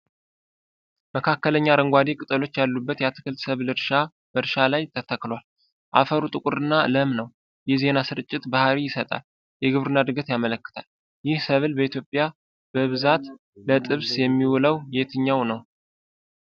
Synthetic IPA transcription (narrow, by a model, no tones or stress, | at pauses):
məkʰakːələɲːaɾəŋɡʷad̪ikʼɨt̪ʼəlo̞t͡ʃːjalːubːət̪jat̪ʰɨ̥kɨlt̪səβlɨɾʃa | b̥əɾʃalajt̪ʰːət̪ʰakːlwal | ʔa̰fəɾut̪ʼɨkʼʊɾɨnːaɨ̰ləmnəw | jɛhze̞nasɨɾɨt͡ʃʼːɪt̪bahɾijɪsət̪ʼa̰l | jɛɡɨβɾɨnad̪ɨɡət̪jamələkːɨ̥t̪ʰal | jɪhsəβlbəit̪jo̞pʼːja | b̥əβɨzat̪ | lət̪ʼɨβsjɛmːiwləwjet̪ʰɨɲːawnəw